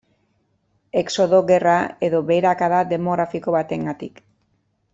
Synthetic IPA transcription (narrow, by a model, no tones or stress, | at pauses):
e̞kso̞ðo̞ɣe̞rae̞ðo̞βe̞ɾakaðad̪e̞mo̞ɣɾafiko̞βat̪e̞ŋɡat̪ḭk